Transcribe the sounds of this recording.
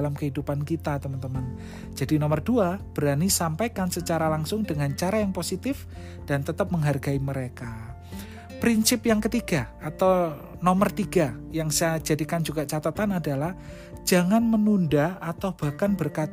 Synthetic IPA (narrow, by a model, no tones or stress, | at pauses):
lamkəɦidupankit̪at̪əmənt̪əmən | d͡ʒadinɔmərduab̥ɾanisampajkansət͡ʃaɾalaŋsʊŋdəŋant͡ʃaɾajaŋposit̪ɪf | d̥ant̪ət̪əp̚məŋɦarɡaiməɾeka | pɾinsɪpjaŋkət̪iɡaat̪aw | nɔmərt̪iɡajaŋsajad͡ʒadikand͡ʒuɡaʔt͡ʃat̪at̪anadalah | d͡ʒaŋanmənundaat̪awb̥ahkanbərkat̪